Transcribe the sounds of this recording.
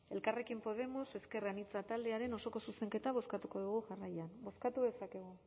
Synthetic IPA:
e̞lkare̞kimpo̞ð̞e̞mo̞se̞ske̞ranit͡sat̪ald̪e̞aɾe̞no̞so̞ko̞suse̞ŋke̞t̪aβ̞o̞skat̪uko̞ðuɣ̞uʝarajanbo̞skat̪uðe̞sake̞ɣ̞u

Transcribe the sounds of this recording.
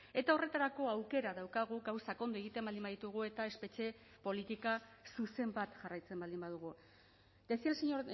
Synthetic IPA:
e̞t̪ao̞re̞t̪aɾako̞awke̞ɾaðawkaɣ̞uɣawsako̞nd̪ue̞ɣ̞it̪embald̪imbaðit̪uɣ̞ue̞t̪ae̞spe̞t͡ʃe̞ | po̞lit̪ikasuse̞mbat̪ʝarajt͡se̞mbald̪imbaðuɣ̞u | d̪e̞sialseɲoɾ

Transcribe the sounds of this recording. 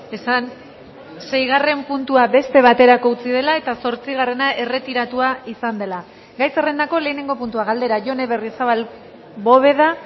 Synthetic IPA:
e̞san | se̞jɣ̞are̞mpunt̪uabe̞st̪e̞β̞at̪e̞ɾako̞ut͡sið̞e̞lae̞t̪aso̞ɾt͡siɣare̞naʔe̞re̞t̪iɾat̪uaisand̪e̞la | ɡajsere̞nd̪ako̞le̞ːne̞ŋɡo̞punt̪uaɣald̪e̞ɾaʝo̞ne̞βe̞risaβal | bo̞β̞e̞ða

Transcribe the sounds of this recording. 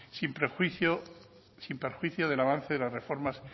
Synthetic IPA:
simpɾexwiθjo | simpeɾxwiθjoð̞e̞laβ̞an̟θeðelasrefo̞ɾmas

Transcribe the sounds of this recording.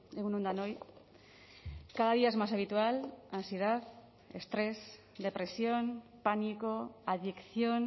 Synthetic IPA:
eɣunũnd̪anoj | kaðaðiaezmasaβ̞it̪ualansjeðað | est̪ɾes | d̪e̞pɾesjonpanikoaðikθjon

